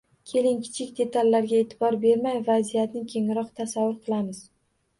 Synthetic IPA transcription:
kʲʰe̞lɪŋkʲʰɪ̥t͡ʃʰɪkʲd̪e̞t̪ʰalʲːaɾɡʲae̞ːt̪ʰɪbɒɾbe̞ɾmajvazijat̪nɪkʲʰe̞ŋɾɒqt̪ʰasavːʊɾqʰɨlˠamɪz

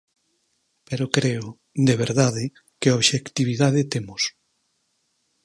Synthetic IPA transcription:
peɾokɾeʊ | d̪eβ̞eɾðaðɪ | keoβʃekt̪iβiðaðet̪emʊs

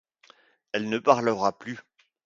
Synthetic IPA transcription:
ɛlnəpaʁləʁaply

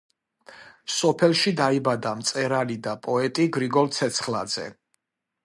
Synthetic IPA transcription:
sɔpʰɛlˠʃid̪aibad̪amt̪sʼɛɾalid̪apʼɔɛt̪ʼiɡɾiɡɔlt̪sʰɛt̪sʰχla̰d̪z̥ɛ̰

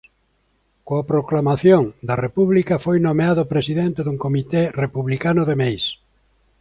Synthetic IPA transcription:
koapɾoklamaθjoŋd̪ɐrepuβlikɐfojnomeaðopɾesiðent̪eðuŋkomit̪erepuβlikanʊðemejs

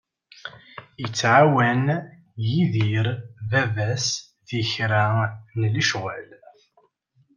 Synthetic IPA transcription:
jət͡sːʕawæn | jiðiɾvævæs | ðiçɾanliʃwæl

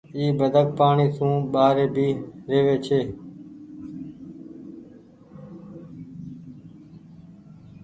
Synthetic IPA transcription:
iːbəd̪ʱək̚paːɳiːt̪ũːɓaːɾeːbʱiːɾeːʋeːt͡ʃʰeː

